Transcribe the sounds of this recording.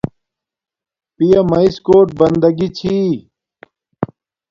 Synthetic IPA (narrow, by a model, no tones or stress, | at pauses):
pijɐmɐiskoːʈ̚bɐnd̪ɐɡit͡ɕʰi